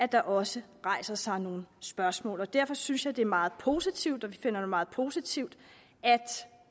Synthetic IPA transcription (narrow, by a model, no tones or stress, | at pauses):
æd̥ɑ̈ʔɒ̽sə | ʁɑ̈ɪ̰sɐsɑ̈ɪno̝ːn̩sb̥ɶɐsmɔ̰ːlɒ̽d̥æɐ̰fɒ̽synsjɑ̈ɪd̥e̝æɐmɑ̈ːð̩ˠpʰo̝ːsit͡sʰiʊd̥ɒ̽ʋife̝n̰ɐd̥emɑ̈ːð̞̩ˠpʰo̝ːsit͡sʰiʊd̥ | æd̥